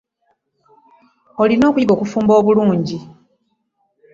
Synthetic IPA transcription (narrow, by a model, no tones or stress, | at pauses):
o̞lino̞ːkuiβo̞kufuːmbo̞ːβuluːɲɟi